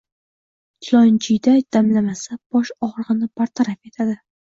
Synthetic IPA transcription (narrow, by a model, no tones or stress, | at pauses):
t͡ʃʲʰɪlˠɒnt͡ʃʰɪjd̪ajd̪̥amlamasab̥ɒʃɒʁɾʁɨnɪbaɾt̪ʰaɾafe̞t̪ʰad̪ɪ